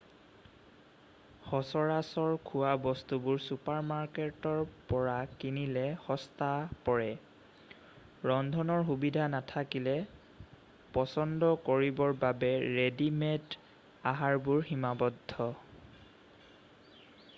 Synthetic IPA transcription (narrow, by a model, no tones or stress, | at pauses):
xɔsɔɹasɔɹkʰuwabɔstubʊɹsupaɹmaɹketɔɹpɔɹakinilɛhɔstapɔɹɛ | ɹɔndʱɔnɔɹxubidʱanatʰakilɛ | pɔsɔndɔkoɹibɔɹbabɛɹedimɛt | aɦaɹbuɹximabɔdʱːɔ